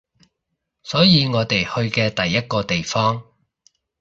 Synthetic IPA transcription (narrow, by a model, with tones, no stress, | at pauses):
sɔː˨˥jiː˨˧ŋɔː˨˧t̪e˨jhɵ˧ɥkɛː˧t̪ɐ˨jːɐ˥t̚kɔː˧t̪e˨jfɔː˥ŋ